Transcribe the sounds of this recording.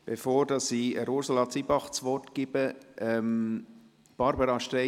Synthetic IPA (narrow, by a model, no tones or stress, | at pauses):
b̥efoːɾd̥ɑsiəɾuɾsəlɑt͡sibɑχt͡sʋɔtɡ̥ɪbəʔɛm | b̥ɑɾbəɾɑʃtɛ